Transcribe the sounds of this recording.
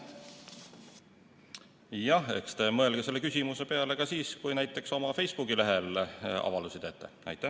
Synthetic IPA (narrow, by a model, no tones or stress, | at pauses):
jɑhe̞kst̪e̞mɤe̞lɡ̥ese̞lːekysʲimuse̞pe̞ɑle̞kɑsiːskujnæjt̪ːˑe̞kso̞mɑfe̞jsb̥ukɡile̞ɦe̞lɑ̰vɑld̪usid̪̥et̪ːˑḛɑ̰jt̪ːˑæ